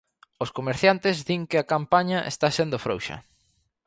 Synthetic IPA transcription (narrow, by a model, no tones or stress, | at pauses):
ʊskomeɾθjant̪ɪzðiŋkɪakampaɲɐʔḛst̪asend̪ʊfɾo̰wʃɐ̰